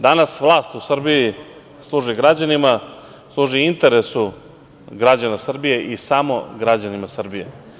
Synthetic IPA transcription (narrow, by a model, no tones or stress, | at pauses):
d̪anasʋlˠaːst̪usr̩ɾbiji | slˠuːʐiɡɾad͡ʑanima | slˠuːʒiint̪e̞ɾe̞su | ɡɾad͡ʑanasr̩bije̞ʔisamo̞̰ɡɾad͡ʑanimasr̩bijḛ